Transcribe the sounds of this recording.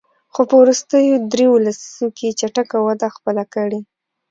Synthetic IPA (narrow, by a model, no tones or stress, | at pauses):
xopəwɾust̪əjod̪ɾewlasi̥zoket͡ʃaʈakawad̪axpəlakəɽe